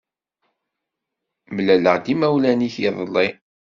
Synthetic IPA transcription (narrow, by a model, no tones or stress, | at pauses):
məlæləʁd̪imæwlæniçiðˤəlːi